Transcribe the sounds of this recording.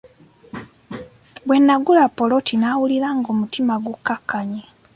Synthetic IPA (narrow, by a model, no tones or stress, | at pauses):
βwe̞nːaɡulapːolo̞tʰinaːwuliɾaŋɡo̞ːmutimaɡukːakːaɲe